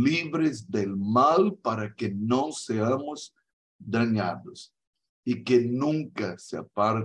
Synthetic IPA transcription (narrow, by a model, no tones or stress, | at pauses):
liβɾɪzd̪elmalpaɾɐkɪnɐ̃w̃seɐmʊz | d̪aɲaðʊs | ikenũŋkɐsɪa̰paɾ